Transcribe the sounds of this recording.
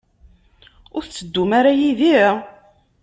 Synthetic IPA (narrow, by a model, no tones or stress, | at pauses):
ʊɾt͡sːəd̪ːumaɾajiði